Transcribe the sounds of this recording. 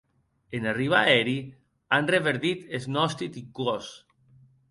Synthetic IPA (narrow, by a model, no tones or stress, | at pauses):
enariβ̞aɛɾi | anreβeɾðit̪eznɔst̪it̪ikos